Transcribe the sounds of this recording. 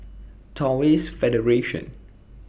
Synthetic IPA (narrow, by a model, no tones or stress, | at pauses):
tʰɔwisfɛdəɹeʃɔ̰̃n